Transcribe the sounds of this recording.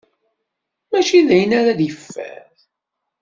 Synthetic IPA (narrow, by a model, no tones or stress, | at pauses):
mæʃiðæjənaɾaðjəfːæ̰θ